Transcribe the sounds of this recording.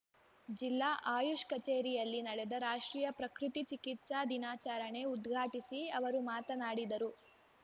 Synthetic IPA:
d͡ʒilːaːʔaːjuʂkɐt͡ʃeːɾijɐlːinɐɽɛd̪ɐɾaːʂʈɾiːjɐpɾɐkɾut̪it͡ʃikit̪ʃaːd̪inaːt͡ʃaːɾɐɳe̞ud̪ɡʱaːʈisiɐʋɐɾumaːt̪ɐnaːɽid̪ɐɾu

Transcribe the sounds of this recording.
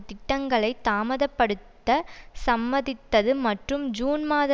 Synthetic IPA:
t̪ɪʈːɐŋɡɐɭɐɪt̪ːaːmɐðɐpːɐɽɯt̪ːɐsɐmːɐðɪt̪ːɐðɯmɐʈrɯmd͡ʒuːnmaːðɐ

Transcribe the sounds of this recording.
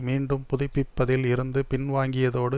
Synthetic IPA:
miːɳɖɯmpʊðɪpːɪpːɐðɪlɪɾɯnd̪ɯpɪnʋaːŋɡɪjɐðoːɽɯ

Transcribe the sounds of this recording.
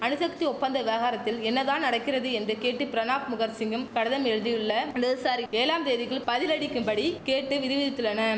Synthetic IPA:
ɐnɯsɐk̚t̪iɔpːɐnd̪ɐʋɪʋɐɣaːɾɐt̪ːɪlɛnːɐðaːnɐɽɐkːɪɾɐðɯɛndrɯkeːʈːɯpɪɾɐnaːkmʊɣɐɾsɪŋɡɯmkɐɽɐðɐmɛɻɯðɪjɯɭːɐnd̪ɐðɯsaːɾieːlaːmt̪eːðɪɣɐɭpɐðɪlɐɽɪkːɯmpɐɽikeːʈːɯʋɪðɪʋɪðɪt̪ːɯɭːɐnɐ

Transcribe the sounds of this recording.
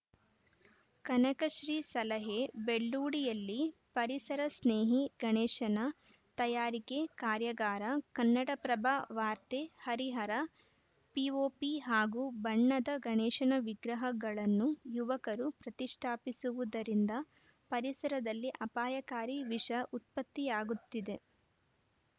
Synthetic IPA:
kɐnɐkɐʃɾiːsɐlɐɦebeɭːuːɽijɐlːipɐɾisɐɾɐsneːɦiɡɐɳɛːʃɐnɐ | t̪ɐjaːɾikekaːɾjɐɡaːɾɐkɐnːɐɽɐpɾɐbʱaʋaːɾt̪ehɐɾiɦɐɾɐ | pioːpiɦaːɡubɐɳːɐd̪ɐɡɐɳɛːʂɐnɐʋiɡɾɐɦɐɡɐɭɐnːujuʋɐkɐɾupɾɐt̪iʂʈʰaːpisuʋud̪ɐɾind̪ɐ | pɐɾisɐɾɐd̪ɐlːiʔɐpaːjɐkaːɾiʋiʂɐʔut̪̚pɐt̪ːijaːɡut̪ːid̪e̞

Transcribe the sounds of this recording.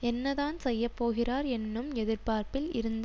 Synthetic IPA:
ɛnːɐðaːnsɛjːɐpːoːɣɪraːɾɛnːɯmɛðɪɾpaːɾpɪlɪɾɯnd̪

